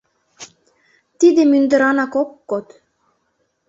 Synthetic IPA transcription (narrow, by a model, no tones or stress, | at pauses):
t̪id̪emynd̪ɘ̆ɾɑnɑkokːot̪